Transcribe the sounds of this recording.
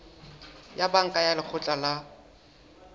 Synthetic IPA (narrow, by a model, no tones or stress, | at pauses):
jabaŋ̩kʼajalɪk͡xʰʊt͡ɬʼala